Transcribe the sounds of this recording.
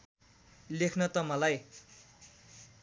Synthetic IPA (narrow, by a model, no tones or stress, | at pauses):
lekʰnʌt̪ʌmʌlaj